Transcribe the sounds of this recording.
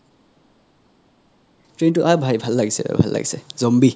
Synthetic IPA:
tɾentuʔabʱajbʱalːaɡsḛbʱalːa̰k̚sezombi

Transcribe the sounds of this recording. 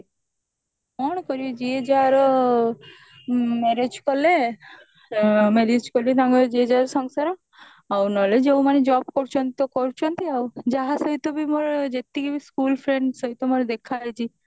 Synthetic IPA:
ɔɽ̃kɔɾiɔd͡ʒied͡ʒaɾɔ | meɾed͡ʒkɔle | meɾed͡ʒkɔlet̪ãŋɡɔd͡ʒied͡ʒaɾsɔŋsaɾɔ | awnɔled͡ʒewmaned͡ʒɔbkɔɾt͡ʃʰɔnt̪it̪ɔkɔɾt͡ʃʰɔnt̪iawd͡ʒaɦasɔɦit̪ɔbimoɾd͡ʒet̪ːikibiskulpʰɾeɳɖsɔɦit̪ɔmoɾd̪ekʰajt͡ʃʰi

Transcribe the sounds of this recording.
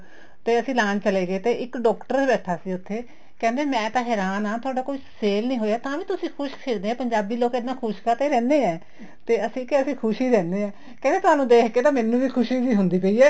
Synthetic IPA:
t̪eːəsĩːlaːnt͡ʃəleːɡeːt̪eːɪkɖɔːkʈəɾd̪ebɛːʈʰːaːsiːʊt̪ʰːeː | kɛ̃ːnd̪eːmɛ̃ːt̪aːɦɛːɾaːnaːt̪ʰʊaːɖaːkoːiːseːlnĩːɦoːeaːt̪ãːʋĩːt̪ʊsĩːkʰʊʃkʰeɾd̪eːɛ̃ːpəɲd͡ʒaːbiːloːked̪nãːkʰʊʃkaːt̪eːɾɛ̃ːnd̪eːɛː | t̪eːəsĩːkeəsĩːkʰʊʃiːɾɛ̃ːnd̪eːɛ̃ː | kɛ̃nd̪eːt̪ʊaːnũːd̪eːkʰkeːt̪aːmɛ̃ːnːũːʋiːkʰʊʃiːziːɦʊnd̪iːpəiːɛː

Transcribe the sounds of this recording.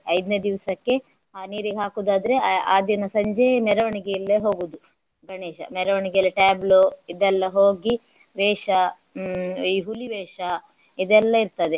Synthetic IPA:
ɐjd̪ned̪iʋɐsɐkːe̞aːniːɾiɡeɦaːkuːd̪aːd̪ɐɾeaːd̪jɐnɐsɐɲd͡ʒemɛɾɐʋɐɳiɡejɐlːeːɦo̞ːɡuːd̪u | ɡɐɳeːʃɐ̰mɛɾɐʋɐɳiɡɛjlːɐʈaːbloid̪ɛlːɐɦoːɡi | ʋɛːʂɐ | iːɦuliʋɛːʂɐ | id̪ɛlːɐiɾt̪ɐd̪e

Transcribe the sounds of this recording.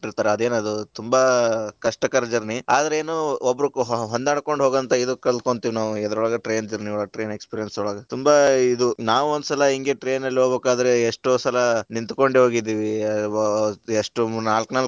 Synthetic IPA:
iɾt̪aːɾeɐd̪eːnɐd̪ut̪umbakɐʂʈɐkɐɾɐd͡ʒɐɾniaːd̪ɐɾeeːnoobːɐɾuɦɦɔnd̪aːɽko̞ɳɖɦo̞ːɡɐnt̪ɐid̪ukɐɭt̪koɳt̪iːʋinaːʋuɛd̪ɐɾɔɭɐɡɐʈɾe̞ːnd͡ʒɐɾniɔɭɐɡɐʈɾe̞ːnekspiːɾijɐnsuɭɐɡɐt̪umbɐid̪unaːʋuond̪usɐlɐɦiŋɡe̞ʈɾe̞ːnɐlːiɦoːbeːkaːd̪ɐɾeːʂʈoːsɐlɐnint̪uko̞ɳɖeɦo̞ːɡid̪ːiːʋiɐ | eʂʈunaːlknaːl

